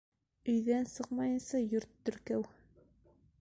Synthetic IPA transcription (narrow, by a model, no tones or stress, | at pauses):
ɵ̆jðænsɤqmɑjɤ̆nsɑjɵɾt̪ːɵ̆ɾkæw